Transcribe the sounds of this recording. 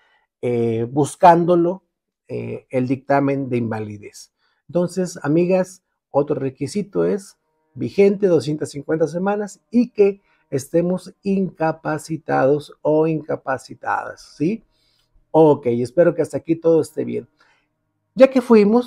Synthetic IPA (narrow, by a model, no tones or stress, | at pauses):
ebuskand̪o̞lo̞ | ḛeld̪ik̚t̪amẽ̞nd̪eimbaliðe̞s | ent̪o̞nse̞samiɣas | ot̪ɾorekisit̪oes | bixe̞nt̪e̞ðos̬je̞nt̪asiŋkwe̞nt̪as̬e̞mãnasikeː | st̪e̞mosiŋkapasit̪að̞o̞soiŋkapasit̪a̰ða̰sːi | oke̞je̞spe̞ɾo̞keast̪aːkit̪o̞ð̞oest̪ḛβje̞̰n | ɟ͡ʝake̞fwimos